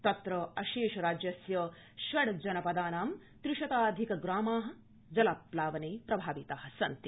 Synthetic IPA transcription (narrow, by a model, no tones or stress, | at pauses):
t̪ɐt̪ɾɐɐʃeːʃɐɾaːd͡ʒjɐsjɐ | ʃʋɐɽd͡ʒɐnɐpɐd̪aːnaːm | t̪ɾuʃɐt̪aːd̪ʱikɐɡɾaːmaːɦɐ̆ | d͡ʒɐlaplaːʋɐneːpɾɐbʱaːʋit̪aːɦɐsɐ̰nt̪i